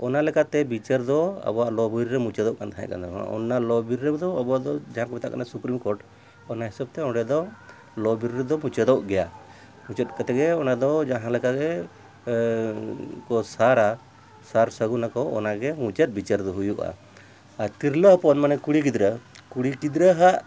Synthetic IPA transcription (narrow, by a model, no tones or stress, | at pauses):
ɔnalɛkat̪ɛbit͡ʃaɾd̪ɔa̰bɔwaʔlɔbiɾɾɛmũt͡ʃɛd̪ɔʔkant̪aɛ̰̃ʔka̰nd̪ɔa̰ɔ̰nːalɔbiɾːɛbd̪ɔabɔaʔd̪ɔd͡ʒaɦãkɔbɛt̪a̰ʔkanasupɾimkɔɾʈ | ɔnaɦisab̚t̪ɛɔ̃ɖɛd̪ɔ | lɔbiɾɾɛd̪ɔmut͡ʃɛd̪ɔʔɡɛja | mut͡ʃət̪̚kat̪ɛɡɛɔnad̪ɔd͡ʒaɦãlɛkaɡɛ | kɔsaɾa | saɾsəɡunakɔɔ̰naɡɛmũt͡ʃɛt̪̚bit͡ʃaɾd̪ɔɦujuʔa̰ | aɾt̪iɾləɦpɔnmanɛkuɽikid̪ɾəkuɽikid̪ɾəɦaʔ